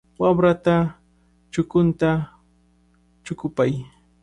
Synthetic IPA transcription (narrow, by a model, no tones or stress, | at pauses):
wabɾat̪a | t͡ʃʊkʊnt̪a | t͡ʃʊkʊpaj